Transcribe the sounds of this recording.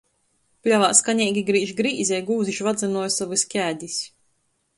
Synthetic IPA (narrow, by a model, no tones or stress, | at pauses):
plʲavaːskaɲɛːɡʲiɡɾiːʒɡɾiːzʲɛjɡuːziʃvad̪zanuɔjsavɨsʲkʲæːd̪ʲisʲ